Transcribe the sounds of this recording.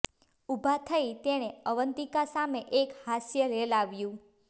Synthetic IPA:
ubʱat̪ʰəit̪eɽ̃eəʋənt̪ikasameʔekhasjəɾelaʋjũ

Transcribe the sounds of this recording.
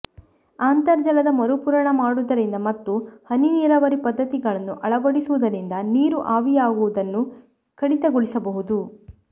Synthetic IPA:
aːnt̪ɐɾd͡ʒɐlɐd̪ɐmɐɾupuːɾɐɳɐmaːɽud̪ɐɾind̪ɐmɐt̪ːuhɐniniːɾɐʋɐɾipɐd̪ːɐt̪iɡɐɭɐnːuʔɐɭɐbɐɽisuʋud̪ɐɾind̪ɐniːɾuʔaːʋijaːɡuʋud̪ɐnːu | kɐɽit̪ɐɡoɭisɐbɐɦud̪u

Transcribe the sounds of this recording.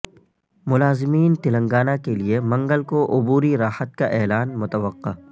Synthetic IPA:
mʊlaːzɪmiːnt̪ɪlə̃ŋɡaːnakeliemɐ̃ŋɡəlkoʔʊbuːɾiɾaːhət̪̚kaʔɛːlaːnmʊt̪əʋəqːa̰

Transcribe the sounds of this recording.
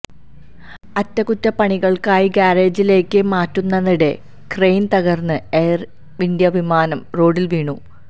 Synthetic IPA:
ɐtːɐkutːɐpɐɳiɣɐɭkaːjikaːɾeːd͡ʑile̞ːkːɨmaːtːunːɐðiɽe̞ | krejnt̪ɐɣɐrnːɨeːr | ind̪jɐʋimaːnɐmro̞ːɖilʋiːɳu

